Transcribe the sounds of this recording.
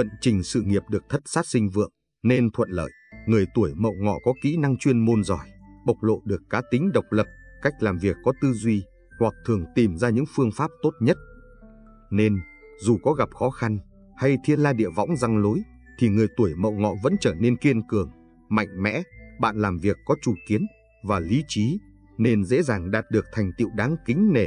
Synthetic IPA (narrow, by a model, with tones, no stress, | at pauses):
və̰˧˨nt͡ɕï˨˩ŋ̟sɨ̰˧˨ŋi˨˩əp̚ɗɨ˨˩ək̚t̪ʰə˦˥t̚saː˦˥t̚sï˧ŋ̟vɨ̰˧˨əŋ | ne˧nt̪ʰwə̰˧˨nlə̰ː˧˨jŋɨ˨˩əjt̪u˧˩əjmə̰˧˨wŋɔ̰˧˨kɔ˨˦kḭ˧˥na˧ŋt͡ɕwi˧ənmo˧nzɔ˨˧˩jɓə˨˩wk͡p̚lo̰˧˨ɗɨ˨˩əkːaː˨˦t̪ï˨˦ŋ̟ɗə˨˩wk͡p̚lə˨˩p̚ka˦˥jk̟̚laː˨˩mvi˨˩əkːɔ˨˦t̪ɨ˧zwi˧ | hwa˨˩k̚t̪ʰɨ˨˩əŋt̪i˨˩mzaː˧ɲɨ̰˧˥ŋfɨ˧əŋfaː˦˥p̚t̪o˦˥t̚ɲə˦˥t̚ | ne˧n | zu˨˩kɔ˨˦ɣa˨˩p̚xɔ˨˦xa˧n | ha˧jt̪ʰi˧ənlaː˧ɗḭ˧˨əvɔ̰˧˥wŋ͡mza˧ŋlo˨˦j | t̪ʰi˨˩ŋɨ˨˩əjt̪u˧˩əjmə̰˧˨wŋɔ̰˧˨və̰˧˥nt͡ɕəː˧˩ne˧nki˧ənkɨ˧˩əŋ | ma̰˧˨jŋ̟mɛ̰˧˥ɓa̰ː˧˨nlaː˨˩mvi˨˩əkːɔ˨˦t͡ɕu˨˩ki˨˦ən | vaː˨˩li˨˦t͡ɕi˨˦ | ne˧nzḛ˧˥zaː˨˩ŋɗaː˨˩t̚ɗɨ˨˩ək̚t̪ʰa˨˩jŋ̟t̪ḭ˧˨wɗaː˨˦ŋkï˨˦ŋ̟ne˧˩